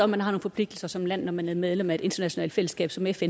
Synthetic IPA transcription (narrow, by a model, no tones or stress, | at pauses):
ɒ̽mːænhɑ̈no̝ːn̩fɒpʰle̝ɡ̥̚d̥l̩sɐsɒ̽mlæn̰ːɒmænæɐmeð̞ˠlemæe̝d̥e̝nd̥ɐnæɕo̝nɛ̰ːld̥fel̰əsɡ̥ɛ̰ːb̥sɒ̽mefen